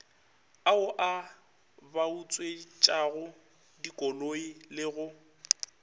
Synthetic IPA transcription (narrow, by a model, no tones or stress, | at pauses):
aʊʔa | baut͡sʼwet͡ʃʼaɣʊ | dikʼɔloilɪɣʊ